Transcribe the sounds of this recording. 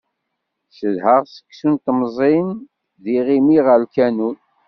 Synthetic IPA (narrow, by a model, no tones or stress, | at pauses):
səðhəʁsə̥kːsunt̪mzˤin | ðiʁimiʁəlkænun